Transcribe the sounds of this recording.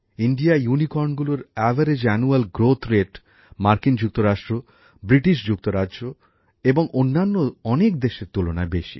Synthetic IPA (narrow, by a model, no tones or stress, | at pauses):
iɳɖiajunikɔɾnɡuloɾɛvʱaɾed͡ʑɛnualɡɾot̪ʰɾeʈ | maɾkind͡ʑuk̚t̪oɾaʃʈɾo | bɾiʈiʃ̬d͡ʑuk̚t̪oɾadʑo | eboŋʔonːanːoɔnekd̪eʃeɾt̪ulona̰beʃḭ